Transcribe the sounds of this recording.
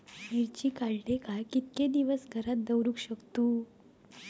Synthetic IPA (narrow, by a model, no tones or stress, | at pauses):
miɾt͡ɕiːkaɭlekajkit̪̚ked̪iʋəsɡʱəɾat̪̚d̪əwɾũkɕəkt̪uː